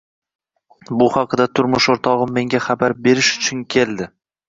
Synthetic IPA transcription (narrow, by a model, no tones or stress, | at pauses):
bʊhɑqd̪at̪ʰʊɾmʊʃoɾt̪ʰɒʁɨmːe̞ŋɡʲaχabaɾbe̞ɾɪʃʊ̥t͡ʃʰʊnkʲʰe̞lˠd̪ɪ